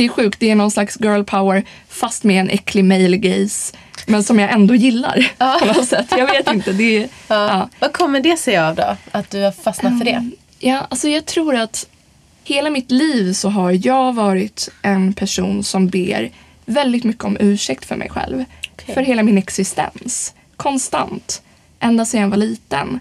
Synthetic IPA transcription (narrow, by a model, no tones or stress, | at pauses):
d̪ɛæɧʉ̟ːkt̪̚d̪ɛːɳɔnslaksɡœːlpʰaʊəɾ | fast̪mɛɛnʔɛkʰːlɪmɛjlɡɛjs | mɛnsɔmjɑʔɛnd̪oːjɪlːa̰ɾʰɔnɔt̪sɛt̪ːjɑːɡveːt̪ɪnt̪əd̪ɛɑːvakʰɔmːəɖɛsɛjavd̪ɔ̰at̪̚d̪ɵhafasnat̪fœɖɛ | jɑːʔalsɔjɑːɡ̚t̪ʰɾuːɾat̪ | heːlamɪt̪liːvsɔɦaɾjɑːɡvɑːɾɪt̪ʔɛnpʰæʂuːnsɔmbeːɾ | vɛld̪ɪt̪mʏkːəɔmʔʉ̟ːʂɛk̚t̪fœ̰ɾmʔɛ̰jɧɛ̰lvffœɾɦeːlamɪnɛksɪst̪ɛ̰ns | kʰɔnst̪a̰nt̪ | ʔɛnd̪asjɛnvaɭiːt̪ə̰n